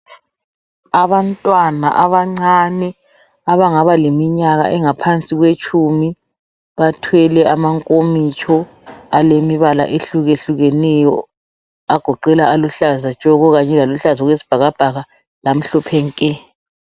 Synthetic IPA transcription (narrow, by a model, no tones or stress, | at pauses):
aβantʼwana̰ʔaβaŋ͡ǀanɛ | aβaŋaβalemiɲaɣa̰ʔɛŋapʰant͡sʼiɣwet͡ʃʰʼumi | βatʰwɛlɛamaŋkʼomit͡ʃʰɔ | alemiβala̰ʔeɬuɣeɬuɣɛnɛjɔ | aɡ̥ʱɔǃɛlaaluɬazat͡ʃʼɔɣɔɣaɲɛlaluɬazɔɣwesi̥b̥ʱaɣab̥ʱaɣa | lam̩ɬɔpʰɛŋkʼɛ